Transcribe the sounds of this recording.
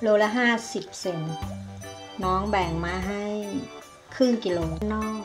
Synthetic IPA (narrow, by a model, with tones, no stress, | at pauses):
loː˧˥la˦˥ɦaː˥˩si˨˩p̚se˨˩n | nɔː˦˥ŋbɛː˨˩ŋmaː˧ɦa˥˩j | kʰɯː˥˩ŋki˧loː˧nɔː˥˩k̚